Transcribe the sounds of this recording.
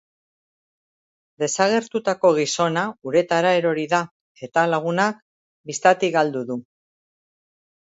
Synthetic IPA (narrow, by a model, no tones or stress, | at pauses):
d̪e̞saɣ̞e̞ɾt̪ut̪ako̞ɣ̞iso̞nauɾe̞t̪aɾaeɾo̞ɾiða | e̞t̪alaɣ̞unak̚ | bist̪at̪iɣald̪uðu